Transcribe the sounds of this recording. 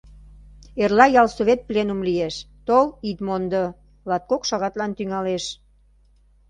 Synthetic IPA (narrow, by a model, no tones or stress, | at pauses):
erlɑjɑlsoβet̪̚plenumlijeʃ | t̪olit̪mond̪ə | lɑt̪̚kokʃɑɣɑt̪lɑnt̪yŋɑleʃ